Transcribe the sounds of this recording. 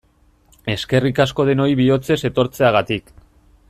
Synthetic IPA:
e̞ske̞rikasko̞ð̞e̞no̞iβio̞t͡se̞se̞t̪o̞ɾt͡se̞aɣ̞at̪ik

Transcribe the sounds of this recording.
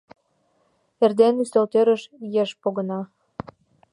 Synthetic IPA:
erd̪enyst̪olt̪øɾəʃjeʃpoɣənɑ

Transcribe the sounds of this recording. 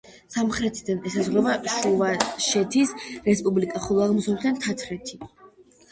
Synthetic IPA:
samχɾɛt̪ʰid̪anɛsazʁɾɛvaʃuvaʃɛt̪ʰisɾɛspʼublikʼaχɔlˠɔaʁmɔsɔd̪ʰant̪ʰat̪sʰɾɛt̪ʰi

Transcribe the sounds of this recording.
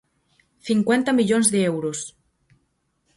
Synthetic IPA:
θiŋkwɛnt̪amiʎonzðeewɾos

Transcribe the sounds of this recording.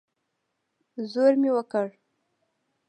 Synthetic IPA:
zoɾmewəkəɽ

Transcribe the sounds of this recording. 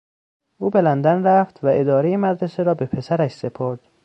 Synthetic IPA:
ʔuːbe̞lænd̪ænræft̪væʔe̞d̪ɒːɾejemæd̪ɾe̞seɾɒːbe̞pʰe̞sæɾæʃse̞pʰoɾd̪̥

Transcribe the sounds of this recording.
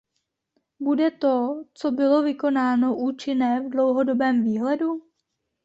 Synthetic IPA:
budɛt̪o̞t͡so̞bɪlo̞vɪko̞naːno̞ʔuːt͡ʃɪnɛːvdlo̞wɦo̞dobɛːmviːɦlɛdu

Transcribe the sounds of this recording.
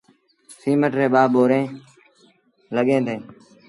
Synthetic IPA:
siːməʈɾeːɓaːɓoːɾẽː | ləɠẽːd̪ẽː

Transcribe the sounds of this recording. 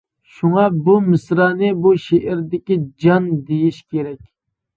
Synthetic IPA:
ʃuŋɑbumɪsɾɑːnɪbuʃeʔɾd̪ɪkʲid͡ʒɑnd̪ejiʃkʲʰeɾɛkʲ

